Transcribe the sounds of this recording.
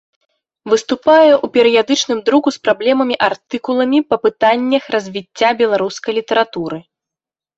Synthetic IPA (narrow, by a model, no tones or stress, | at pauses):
vɨst̪upajɛʔupʲɛɾɨjad̪ɨt͡ʂnɨmd̪ɾukuspɾablʲɛmɐmʲiʔart̪ɨkulˠɐmʲipɐpɨt̪anʲːɐxrɐzʲvʲit͡st͡sʲːabʲɛlˠaɾuskɐjlʲit̪ɐɾat̪uɾɨ